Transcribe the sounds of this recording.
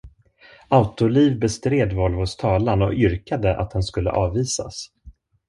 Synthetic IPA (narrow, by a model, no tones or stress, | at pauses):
aʊt̪ʊliːvbɛst̪ɾeːd̪vɔlvʊst̪ʰɑːlanɔ̰ʏɾkad̪əʔa̰t̪̚d̪ɛnskɵlːə̰ʔɑːvːiːsa̰s